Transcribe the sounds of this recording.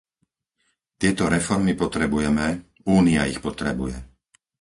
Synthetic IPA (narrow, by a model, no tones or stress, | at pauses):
t̪ɪɛt̪ɔɾɛfɔɾmipɔt̪ɾɛbujɛmɛ | uːnia̰ixpɔt̪ɾɛbujɛ̰